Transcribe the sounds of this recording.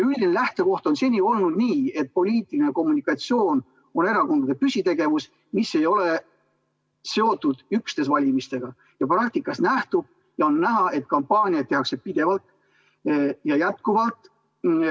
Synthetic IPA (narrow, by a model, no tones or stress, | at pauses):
yld̪inelæht̪e̞ko̞ht̪o̞nse̞nʲio̞lnud̪̥niːe̞t̪̚po̞lʲiːt̪ːˑiline̞ko̞mːunikːˑɑt̪sio̞ːn | o̞ne̞ɾɑko̞nd̪ɑd̪e̞pysʲit̪e̞ɡ̥e̞vus | misːe̞jo̞le̞ | se̞o̞t̪ːˑud̪̥ykst̪e̞svɑlʲimist̪e̞ɡ̥ɑ | jɑprɑk̚t̪ikːˑɑsnæht̪ub̥̚ | jɑo̞nːæɦɑʔe̞t̪̚kɑmpːɑːnʲiɑt̪ːe̞ɑksed̪̚pid̪̥e̞vɑlt̪ | jɑjæt̪̚kuvɑlt̪ˑ